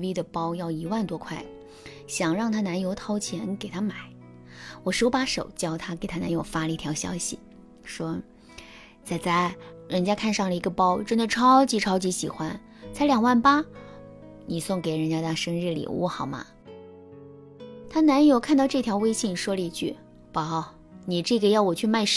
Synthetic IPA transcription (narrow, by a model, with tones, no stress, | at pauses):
wi˥d̪ə˨pɑ˥ʊjɑ˥˩ʊi˧˥wa˥˩nt̪wɔ˥kʰwa˥˩ɪ | ɕjɑ˨˩ŋɻɑ˥˩ŋt̪ʰa˥na˧˥njo˧˥ʊt̪ʰɑ˥ʊt͡ɕʰjɛ˧˥nke˨˩ɪt̪ʰa˥ma˨˩˦ɪ | wɔ˨˩ʂo˥pa˧˥ʂo̰˨˩ʊt͡ɕjɑ˥˩ʊt̪ʰa˥ke˨˩ɪt̪ʰa˥na̰˧˥njo˧˥ʊfa˥lə˧i˥˩t̪ʰjɑ˧˥ʊɕjɑ̰˥ʊɕḭ˨ | ʂwɔ˥ | t͡sa˥˩ɪt͡sa˥˩ɪɻə˧˥nt͡ɕja˥kʰa˥˧nʂɑ˥˩ŋlə˩i˧˥ɡə˧pɑ˥ʊʈ͡ʂə˥nd̪ə˨ʈ͡ʂʰɑ˥ʊt͡ɕi˧˥ʈ͡ʂʰɑ˥ʊt͡ɕi˧˥ɕi˨˩xwa˥n | t͡sa˧˥ɪljɑ˨˩ŋwa˥˩npa˥ | ni˨˩sʊ˥˩ŋke˨˧˩ɪɻə˧˥nt͡ɕja˥t̪a˥˩ʂɤ˥ŋɻ̩˥˩lḭ˨˩wṵ˥˩xɑ˨˩ʊma̰˧˦ | t̪ʰa˥na˧˥njo˧˥ʊkʰa˥˧nt̪ɑ˥˧ʊʈ͡ʂɤ˥˩t̪ʰjɑ˧˥ʊwe˥ɪɕi˥˩n˩ʂwɔ˥lə˧i˧˥t͡ɕʰy̰˥˩ | pɑ˨˧˩ | ni˨˩ʈ͡ʂɤ˥˩ɡə˨˩jɑ˥˩ʊwɔ˨˩t͡ɕʰy˥˧ma˥˧ɪʂ